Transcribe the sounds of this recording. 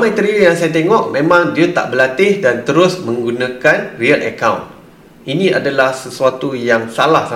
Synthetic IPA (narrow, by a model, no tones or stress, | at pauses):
amajt̪əɾiəjaŋsajat̪eŋɔʔmẽmãŋdiat̪a̰ʔbəlat̪ɪhdant̪əɾʊsmə̃ŋɡunãkanriəlʔə̰kawn | ʔinĩadalahsəsuat̪ujaŋsalahsa